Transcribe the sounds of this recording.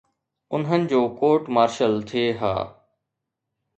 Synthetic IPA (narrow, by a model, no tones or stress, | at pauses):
ʊnɦənɪ̆d͡ʑoːkoːʈmaːɾʃəlt̪ʰeːɦa̰ː